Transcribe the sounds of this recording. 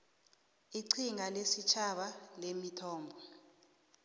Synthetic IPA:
iǀʰiŋalesit͡ʃʰaɓalemitʰɔːmbʱɔ

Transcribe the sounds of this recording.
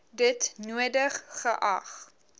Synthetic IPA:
dətnuədəχːəʔɐ̰χ

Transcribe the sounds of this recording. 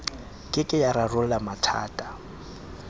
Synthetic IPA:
kʼɪkʼɪjaɾarʊlamatʰa̰ːtʼa

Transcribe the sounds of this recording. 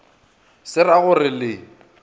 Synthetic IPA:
sɪraɣʊrɪlɪ

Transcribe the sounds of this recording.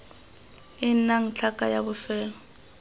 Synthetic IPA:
ɪnaŋ̩t͡ɬʰakʼajabʊfɛːlɔ

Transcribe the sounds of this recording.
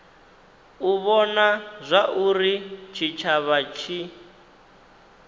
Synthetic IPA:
uβɔnazʷaʔuɾit͡ʃʰit͡ʃʰaβat͡ʃʰi

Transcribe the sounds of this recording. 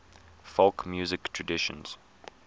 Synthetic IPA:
fɔlkmjuːzɪktʰɹədɪʃə̰̃nz̥

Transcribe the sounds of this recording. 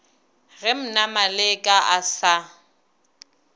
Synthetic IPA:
ɣɪm̩namalɪkʼaʔasa

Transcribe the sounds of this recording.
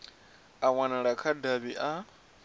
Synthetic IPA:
awanaɺakʰadaβiʔa

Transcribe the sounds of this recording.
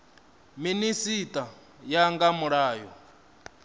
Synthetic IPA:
minisitʼa | jaŋɡamuɺaːjɔ

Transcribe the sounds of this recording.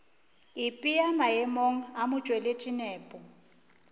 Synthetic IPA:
ɪpʼiamaɛmoŋ̩amʊt͡ʃʼwɛlet͡ʃʼinɛːpʼɔ

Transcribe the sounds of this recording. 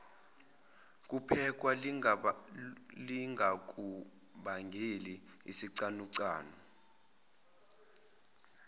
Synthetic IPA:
k̬ʼupʰɛk̬ʼwa | liŋɡʱak̬ʼu | ɓaŋɡʱeliḭsiǀanuǀa̰ːnu

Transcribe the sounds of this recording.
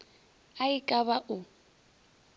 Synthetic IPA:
aɪkʼaβaʔʊ

